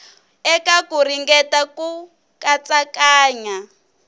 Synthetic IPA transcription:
ɛkakuriŋɡɛtaku | kat͡sakaːɲa

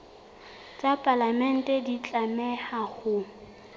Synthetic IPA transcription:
t͡sʼapʼalamɛn̩tʼɛdit͡ɬʼamɛhahʊ

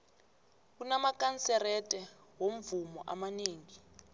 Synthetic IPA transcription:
k̬unamakʼansɛrɛtʼɛ | wom̩vumɔʔa̰maneːŋi

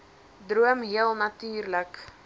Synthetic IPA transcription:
dɾuəmɦiəlˠnɐtyːrlək

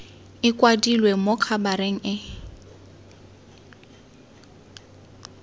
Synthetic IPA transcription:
ɪkʼwadilwemokʰabaɾeŋ̩ɪ

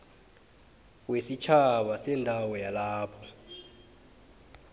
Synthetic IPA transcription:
wesit͡ʃʰaɓasɛndʱawɔjalaːpʰɔ

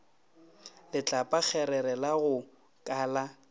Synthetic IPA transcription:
lɪt͡ɬʼapʼak͡xʰɛɾɛɾɛlaɣʊ | kʼaːla

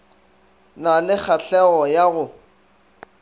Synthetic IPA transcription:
nalɪk͡xʰaɬɛɣɔjaɣʊ

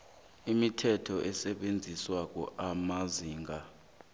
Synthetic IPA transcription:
imitʰɛtʰɔʔɛsɛɓend͡zʱiswak̬ʼɔ̰ʔamaziːŋɡʱa

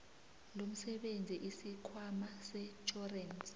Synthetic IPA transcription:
lom̩sɛɓend͡zʱiʔisikʰwamasɛt͡ʃʰʼɔrɛntʰʼ

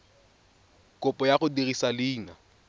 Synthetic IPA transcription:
kʊpʼɔjaχʊdirisaliːna̰

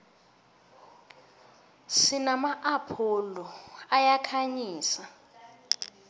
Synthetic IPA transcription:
sinamaʔapʰɔlɔajakʰaɲiːsa

